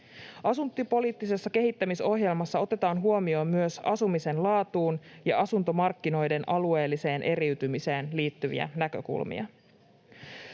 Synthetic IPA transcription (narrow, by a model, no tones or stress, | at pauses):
ɑsunt̪ːˑipo̞liːt̪ːise̞sːɑke̞ɦit̪ːæmiso̞ɦje̞lmɑsːɑo̞t̪e̞t̪ɑːnɦuomio̞ːmːyøsɑsumise̞nlɑːt̪uːnjɑʔɑsunt̪o̞mɑrkːino̞jde̞nʔɑlue̞ːlːise̞ːnʔe̞ɾiyt̪ymise̞ːnliːt̪ːyʋḭæ̰nækø̞̰kṵlmḭɑ̰